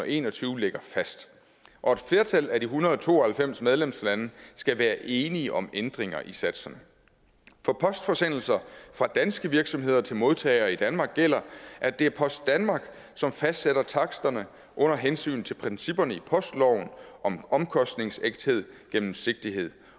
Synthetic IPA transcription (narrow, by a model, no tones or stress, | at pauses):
e̝̰ːnɒt͡sʰyːʊleɡ̥ɐfæsd̥ | ʔɒ̽e̝d̥fle̝ːɐt͡sʰæl̰æd̥iɦunɐð̞ˠɒt͡sʰo̝̰ːɒhælfem̰smeð̞ˠlemslænəsɡ̥æʋæːɐʔe̝ːniəʔɒ̽mend̥ʁeŋɐ̰ʔisæd̥sɐnə | fɒpʰɒ̽sd̥fɒ̽sen̰l̩sɐfʁɑ̈d̥ænsɡ̥əʋiɐɡ̥sɒ̽mɦe̝ð̞ˠɐt͡sʰe̝lmo̝ð̞ˠt͡sʰɛ̰ɪɐːid̥ænmɑ̈ːɡ̥ːel̰ɐʔæd̥e̝æɐpʰɒ̽sd̥ænmɑ̈ːɡ̥ | sɒ̽mfæsd̥seɾɐt͡sʰɑ̈ɡ̥sd̥ɐnə | ʔɔ̽n̰ɐɦensy̰ːnt͡sʰe̝lpʰʁɛnsib̥ɐnəipʰɒ̽sd̥lɒʊn̩ʔɒ̽mɒ̽mkʰɒ̽sd̥ne̝ŋseɡ̥̚d̥he̝ð̰ˠɡ̥en̰m̩se̝ɡ̥̚d̥iɦe̝ð̰ˠ